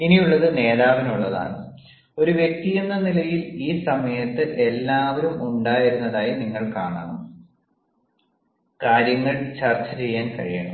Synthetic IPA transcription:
inijuɭːɐðɨne̞ːðaːʋinuɭːɐða̰ːɳɨ | o̞ɾuʋjek̚t̪ijenːɐnilɐjiliːsɐmɐjɐt̪ːɨʔe̞lːaːʋɐɾumuɳɖaːjiɾunːɐðaːjiniŋːɐɭkaːɳa̰ːɳu | kaːɾjɐŋːɐɭt͡ɕɐrt͡ɕːɐt͡ɕe̞jːaːnkɐ̰ɻija̰ːɳ

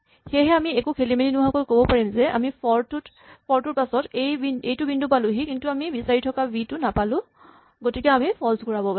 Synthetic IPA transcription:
xeɦɛamiekukʰelimeninuɦakojkobɔpaɹimzɛʔa̰mipɔɹtut | pʰɔɹtuɹpasɔtejbinejtʊbindupaluɦikintuamibisaɹitʰɔkabitʊnapalʊ̃ | ɡotikɛamipʰɔlskɔɹabɔpa

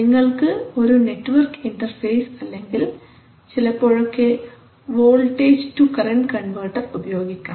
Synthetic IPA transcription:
niŋːɐɭkɨo̞ɾune̞ʈːɨʋɐrkinʈɐrfejsɐlːeŋɡil | t͡ɕilɐpːo̞ːɻokːe | ʋoːɭʈeːd͡ʑtukɐrɐnʈkɐɳʋɐːʈːɐrubɐjo̞ːɡikʲːa

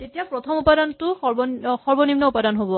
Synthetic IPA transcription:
tetijapɹɔtʰɔmupadantʊxɔbxɔɹbɔnimnɔupadanɦobɔ

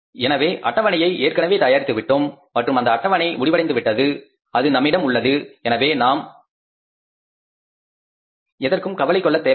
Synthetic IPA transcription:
ɛnɐʋeːʔɐ̰ʈːɐʋɐnɐjɐɪʔeːrkɐnɐʋeːt̪aːjaːɾɪt̪ːɯʋɪʈːɯm | mɐʈrɯmɐnd̪ɐːʈːɐʋɐnɐɪmʊɽɪʋɐɽɐɪnd̪ɯʋɪʈːɐðɯ | ɐðɯnɐmːɪɽɐmʊɭːɐðɯɛnɐʋeːnaːm | ɛðɐrkɯmkɐʋɐlɐɪkːɔɭːɐt̪ːeː

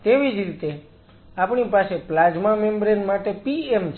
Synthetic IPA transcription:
t̪eʋid͡ʒɾit̪e | apɳ̃ipaseplad͡ʒmamembɾenmaʈepiemt͡ʃ

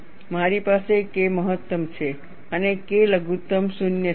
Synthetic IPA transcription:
maɾipasekeməɦət̪ːəmt͡ʃʰe | ənekeləɡʱut̪ːəmsunjə

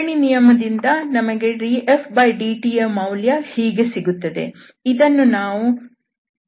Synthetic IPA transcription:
ɳinijɐmɐd̪ind̪ɐnɐmɐɡe̞ɾiepbɐjɖiːʈiemɐwljɐhiːɡesiɡut̪ːɐd̪e̞̰ | id̪ɐnːunaːʋu

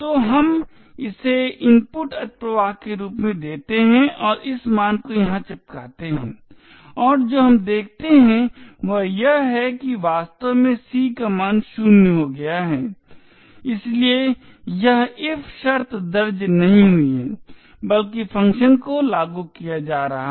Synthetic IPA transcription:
t̪oːɦɐm | ɪseɪmpʊʈɐt̪̚pɾəʋaːɦkeɾuːpmẽd̪eːt̪eɦɛ̃ʔɔːɾɪsmaːnkojɐɦãt͡ʃɪp̚kaːt̪eɦɛ̰̃ː | ɔːɾd͡ʒoːɦɐmd̪eːk̚ʰt̪eɦɛ̃ʋɐjɐɦɦɛkiʋaːst̪əʋmẽsiːkamaːnʃʊnɦoɡɐjaɦɛː | ɪslie | jɐɦɪfʰʃɐɾt̪d̪ɐɾd͡ʒnɐɦĩɦʊiɦɛ | bɐlkifʰɐ̃ŋkʃənkolaːɡukijad͡ʒaːɾɐɦa

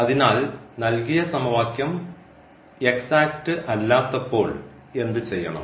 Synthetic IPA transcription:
ɐðinaːlnɐlkijɐsɐmɐʋaːkjɐm | e̞ksaːk̚ʈɨʔɐlːaːt̪ːɐpːo̞ːɭ | e̞nd̪ɨt͡ɕe̞jːɐɳɐ̰m

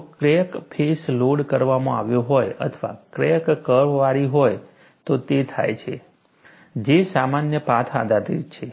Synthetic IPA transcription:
kɾekpʰesloɽkəɾʋamõa̰ʋjõɦojə̰t̪ʰəʋa̰kɾekkəʋʋaɾiɦoj | t̪ot̪et̪ʰa̰jt͡ʃʰḛ | d͡ʒesamanjəpat̪ʰa̰d̪at̪it͡ʃʰe

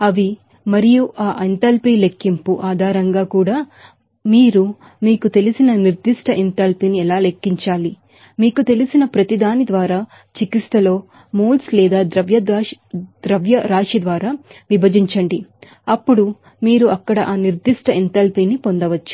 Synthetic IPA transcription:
ɐʋi | mɐɾijuʔaːʔɐnt̪ɐlpiːle̞kːimpuʔaːd̪ʱaːɾɐŋɡaːkuːɽaː | miːɾu | miːkut̪e̞lisinɐniɾd̪iʂʈɐʔint̪ɐlpiniɛlaːle̞kːiɲt͡ʃaːli | miːkut̪e̞lisinɐpɾɐt̪id̪aːnid̪ʋaːɾaː | t͡ʃikist̪ɐlo̞ː | muːlslɛːd̪aːd̪ɾɐʋjɐ | d̪̥ɾɐʋjɐɾaːʂid̪ʋaːɾaːʋibʱɐd͡ʒiɲt͡ʃɐɳɖi | ɐpːuɽu | miːɾuɐkːɐɽɐʔaːniɾd̪iʂʈɐint̪ɐlpinipond̪ɐʋɐt͡ʃːu̥

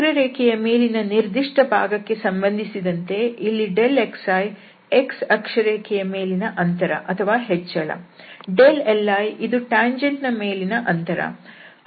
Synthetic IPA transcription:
ɾɐɾeːkʰɛjɐme̞ːlinɐniɾd̪iʂʈɐbʱa̰ːɡɐkːe̞sɐmbɐnd̪ʱisid̪ɐnt̪e̞ilːiɖeleksaːj | eksɐkʂɐɾeːkʰɛjɐme̞ːlinɐʔɐnt̪ɐɾɐ̰ʔɐt̪ʰɐʋaːɦet͡ʃːɐɭɐ̰ɖelelːaːjid̪uʈaːɲd͡ʒeɳɖnɐmeːlinɐʔɐnt̪ɐɾɐ̰

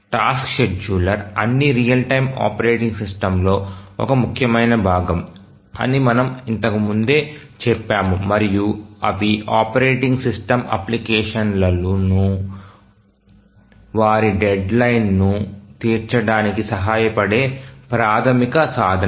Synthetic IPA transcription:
ʈaːskʃeɖ̚d͡ʒuːlɐɾɐnːiɾijɐlʈɐjma̰ːpɐɾeːʈiŋɡsisʈɐmlo̞ːɔ̰kɐmukʰjɐmɐjnɐbʱaːɡɐm | ɐ̰nimɐnɐmint̪ɐkimund̪e̞ː | t͡ʃɛpːaːmumɐɾijuɐʋiaːpɐɾeːʈiŋɡsisʈɐmɐ̰plikɛːʂɐnlɐlunu | ʋaːɾiɖeɖlɐjnːut̪iːɾt͡ʃɐɽaːnikisɐɦaːjɐpɐɽe̞ːpɾaːt̪ʰɐmikɐsaːd̪ʱɐ

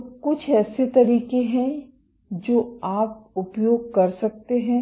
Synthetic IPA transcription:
kʊt͡ʃʰɛːset̪ɐɾiːkeɦɛ̃ | d͡ʒoːaːp̚ʊpjoːɡ̚kɐɾsɐk̚t̪eɦɛ̃ː

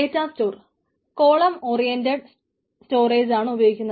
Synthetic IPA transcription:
etːaːstoːr | koːɭɐmoːrijendeɽ | sto̞ːreːd͡ʑaːɳɨubɐjoːɡikʲːunːɐ

